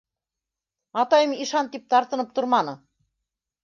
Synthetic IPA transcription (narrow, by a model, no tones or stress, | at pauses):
ɑt̪ɑjɤmiʃɑnt̪ip̚t̪ɑɾt̪ɤ̆nɤp̚t̪oɾmɑnɤ